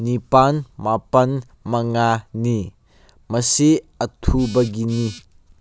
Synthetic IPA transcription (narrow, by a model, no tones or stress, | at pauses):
nipanmapɐn | mɐŋani | mɐsi | ɐtʰubɐɡini